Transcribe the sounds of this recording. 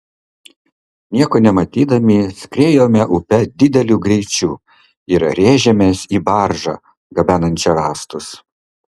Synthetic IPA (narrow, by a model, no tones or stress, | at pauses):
nʲiɛkoːnʲɛmɐt̪ʲiːd̪ɐmʲisʲkɾʲeːjoːmʲɛʔʊpʲɛd̪ʲɪd̪ʲɛlʲuːɡɾʲɛɪt͡ʃʲuː | ɪɾɾʲeːʒʲɛmʲeːsiːbɑɾʒɑ̰ | ɡɐbʲæːnɐnʲt͡ʃʲɛɾɑːst̪ʊs